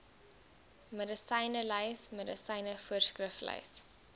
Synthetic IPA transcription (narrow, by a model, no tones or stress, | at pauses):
mədəsɐjnələjsmədəsɐjnəfuərskrəflɐ̰js